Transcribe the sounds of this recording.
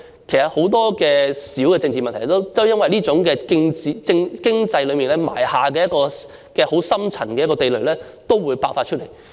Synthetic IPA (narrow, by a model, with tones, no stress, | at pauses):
kʰe˨˩jsɐ˨t̚ho˨˥wt̪ɔː˥kɛː˧siː˨˥wkɛː˧t͡sɪ˧ŋt͡siː˨mɐ˨nt̪ʰjt̪o˥wt̪o˥wjɐ˥nwɐ˨jliː˥t͡sʊ˨˥ŋkɛː˧kɪ˥ŋt͡siː˨t͡sɪ˥ŋkɪ˥ŋt͡sɐ˧jlɵ˨˧miː˨˩nlɛː˥ma̰ː˨˩jhaː˨k̬ɛ˧jɐ˥t̚kɔː˧ | kɛː˧ho˨˥wsɐ˥mt͡sʰɐ˨˩nkɛː˧jɐ˥kɔː˧t̪e˨jlɵ˨ɥlɛː˥ | t̪o˥wwuː˨˧jpaː˧wfaː˧tt͡ʃʰt̚le˨˩j